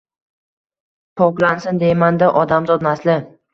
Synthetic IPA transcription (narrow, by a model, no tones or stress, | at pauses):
pʰɒklansɪnd̪ejmand̪aʔɒd̪amzɒd̪naslɪ